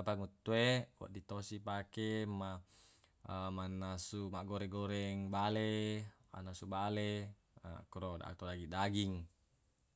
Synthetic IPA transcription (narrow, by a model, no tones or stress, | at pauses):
apaŋut̪ːuewo̰ʔdit̪osipakema | əmanːasumaʔɡoɾeɡoɾeŋbalema̰nasubale | a̰kɾoda̰ktodaɡidaɡiŋ